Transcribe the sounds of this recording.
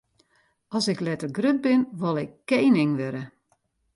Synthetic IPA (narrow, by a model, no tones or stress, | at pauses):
ɔsɪklɛtərɡrøt̚bɪnʋɔlˠɪkːeːnɪŋʋøɾə